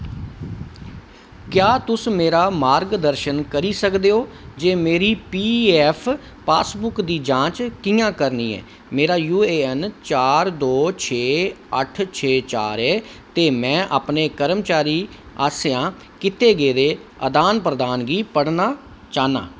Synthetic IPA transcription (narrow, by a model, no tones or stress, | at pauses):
kjaːt̪ʊsmeːɾaːmaːɾɡd̪əɾʃənkəɾiːsəkd̪eːoːd͡ʒeːmeːɾiːpiːɛːpʰ | pa̰ːsbʊkd̪iːd͡ʒãːt͡ʃkɪːjãːkəɾniːɛ̰ː | meːɾaːjuːeːɛnt͡ʃaːɾd̪oːt͡ʃʰeːəʈʰt͡ʃʰeːt͡ʃa̰ːɾɛː | t̪eːmɛ̃ːʔaːpneːkəɾəmt͡ʃaːɾiː | a̰ːsɪjãː | kɪt̪eːɡeːd̪eːəd̪aːnpɾəd̪aːnɡiːpəɽnaː | t͡ʃaːna̰ː